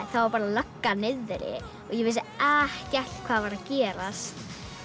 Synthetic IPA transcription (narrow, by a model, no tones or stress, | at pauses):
θawvaɾpaːɾalœkːanɪðɾɪ̰ | ɔɣjɛvɪs̬ɪɛhcar̥t̪kʰv̥aːðvaɾaðcɛːɾast̪